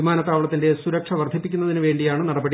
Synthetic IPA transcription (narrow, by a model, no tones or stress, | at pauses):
umaːnɐt̪ːaːʋɐɭɐt̪ːinde̞suɾɐkʂɐʋɐrd̪ʱipːikʲːunːɐðinɨʋe̞ːɳɖijaːɳɨnɐɽɐbɐɽi